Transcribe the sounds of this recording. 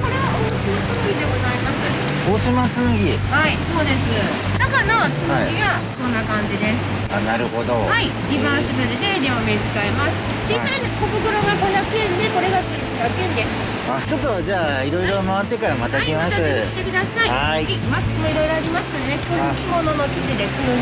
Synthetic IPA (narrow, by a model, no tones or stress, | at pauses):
ko̞ɾe̞βaosɨsokɯid̪e̞ɡo̞zaimasɨ | oɕimasɨɡʲihaiso̞ːd̪e̞sɨ | nakanasɨnoiɡa | sõ̞nːakãɲ̟d͡ʑid̪e̞sɨ̥ | anaɾɯ̟ho̞d̪o̞̰hai | ɡʲibãɕibɯ̃d̪eneɲʲiomet͡sɨ̥kaemasɨ̥ | d͡ʑisainekokɯ̟ɡɯɾoɡaɡonakɯ̟ẽnd̪e̞ko̞ɾe̞ɡasɨiiat̪ẽnd̪e̞sɨ̥ | at͡ɕo̞t̪ːo̞d͡ʑaːiɾo̞iɾo̞maβat̪ːe̞kaɾamat̪akʲimasɨki̥t̪e̞kɯ̟d̪asaiaimaskimoiɾo̞iɾo̞ad͡ʑimasɨ̥nod̪enekʲʰokʲimo̞nonokʲid͡ʑid̪e̞sɨ